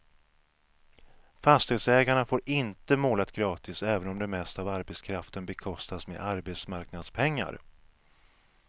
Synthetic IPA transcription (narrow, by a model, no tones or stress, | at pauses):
fast̪ɪd̪sɛːɡaɳafoːɾɪnt̪əmoːlat̪ɡɾɑːt̪ɪsɛːvənɔmd̪ɛmɛst̪avaɾbɛt̪skʰɾaft̪ənbɛkʰɔst̪asmḛʔaɾbɛt̪smaɾknad̪spʰɛŋːa̰ɾ